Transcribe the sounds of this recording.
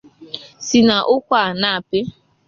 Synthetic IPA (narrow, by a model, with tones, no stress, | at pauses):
si˨na˨ʔʊ˦kʷa˦˨na˦˨a˨pɪ˦